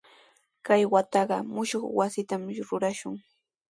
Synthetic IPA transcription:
kajwat̪ɑɢɑmʊʃoχwasɪt̪amɾʊɾaʃʊŋ

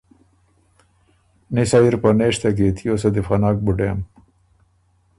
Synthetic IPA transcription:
nisaiɾpɐneːʂt̪ɐket̪ʰijoːsɐd̪ifɐnɑːk̚buɖeːm

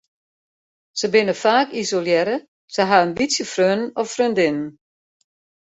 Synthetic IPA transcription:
səbɪnəfaːkizoljɛɾə | səɦaənbitsjəfrønnɔfrøndɪnən̩

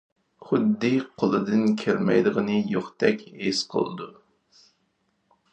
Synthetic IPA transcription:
χʊd̪ːɨqʰolˠɨd̪ɨnkʲʰeɾmɛ̰jd̪əʁənɨjoχt̪ʰɛkʲesqʰə̰lˠɨd̪u

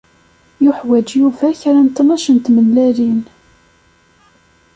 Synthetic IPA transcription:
jʊħwæd͡ʒjuvæçɾænt̪ːnɑʃənt̪məlːæɾin

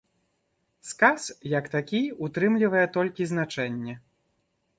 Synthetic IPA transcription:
skasjɐkt̪akʲiut̪ɾɨmlʲivɐjɛt̪ɔlʲkʲiznat͡ʂɛnʲːɛ

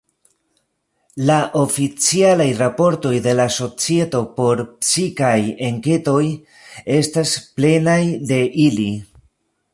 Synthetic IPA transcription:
laʔo̞fit͡sialajɾapo̞ɾto̞jde̞laso̞t͡sie̞to̞po̞ɾpsikaje̞ŋke̞to̞j | e̞stasple̞najde̞ʔili

